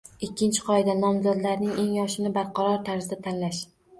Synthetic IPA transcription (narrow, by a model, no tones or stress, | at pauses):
ɪkʲʰːɪnt͡ʃʰɪ̥qʰɒɪd̪anɒmzɒd̪laɾnɪŋe̞ŋjɒʃɪnɪbaɾqʰɑɾɒɾt̪ʰaɾzɪd̪at̪ʰanlaʃ